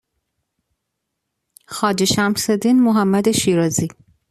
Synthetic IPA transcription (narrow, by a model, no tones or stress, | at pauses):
xɒːd͡ʒeʃæmsed̪inmoɦæmːæd̪eʃiɾɒːzi